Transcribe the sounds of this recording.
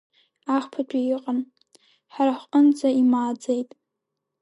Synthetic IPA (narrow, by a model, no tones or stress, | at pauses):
aχʷpʰat͡ʃʷʰʼijɪqʼən | ħaɾaħʷʼənd͡zaimaːd͡zejtʼ